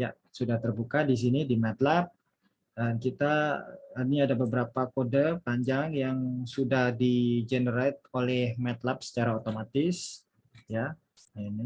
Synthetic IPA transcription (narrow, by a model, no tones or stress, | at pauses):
ja | sudaht̪ərbukadis̬inidimɛt̪lap̚ | dankit̪a | niadabəbəɾapakodəpaɲd͡ʒaŋjaŋsudahdid͡ʒenəɾajt̪̚olɛhmɛt̪lap̚sə̥t͡ʃaɾaot̪omat̪ɪs | ja | ani